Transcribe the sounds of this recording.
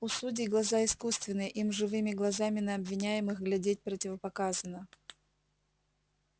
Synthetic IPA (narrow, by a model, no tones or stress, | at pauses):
ʊsudʲɪɡlˠɐzaɪskust̪vʲɪnːɨjəʔimʐɨvɨmʲɪɡlˠɐzamʲɪnəɐbvʲɪnʲæjɪmɨxɡlʲɛdʲet̚ʲpɾətʲɪvəpɐkazənə